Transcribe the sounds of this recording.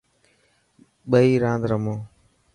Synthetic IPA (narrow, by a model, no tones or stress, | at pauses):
ɓəiːɾãːnd̪ɾəmoː